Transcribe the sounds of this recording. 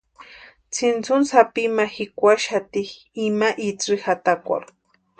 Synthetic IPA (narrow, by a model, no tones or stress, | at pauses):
t͡sʰint͡sʊnsapimaxɪkʷaʃat̪ih | imaʔit͡sixat̪akʷa̰ɾ